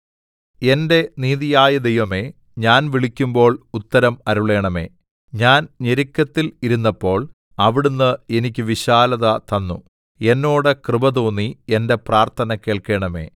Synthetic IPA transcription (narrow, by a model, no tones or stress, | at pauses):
e̞nde̞niːðijaːjɐd̪e̞jʋɐme̞ː | ɲaːnʋiɭikʲːumbo̞ːɭut̪ːɐɾɐmɐɾuɭe̞ːɳɐme̞̰ː | ɲaːnɲeɾikʲːɐt̪ːiliɾunːɐpːo̞ːɭ | ɐʋiɽunːɨe̞nik̬ʲːɨʋiɕaːlɐðɐt̪ɐnːṵ | e̞nːo̞ːɽekrɨbɐt̪oːnːiende̞praːrt̪ʰɐnɐke̞ːɭke̞ːɳɐme̞̰ː